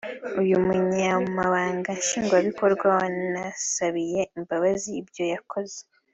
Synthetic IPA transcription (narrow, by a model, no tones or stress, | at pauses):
ujumuɲamumaβaːŋɡanʃiːŋɡwaβiko̞ɾɡwawannasaβije̞imbaβaziːbjo̞jakʰo̞ze